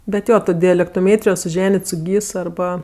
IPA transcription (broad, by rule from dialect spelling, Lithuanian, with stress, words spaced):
bʲɛt ˈjoː ˈtoː dʲɛlʲɛktoːˈmʲeːtʲrʲɪjoː sʊˈʒʲæːnʲɪtʲ sʊ ˈɡʲiːs ɐrˈbɐ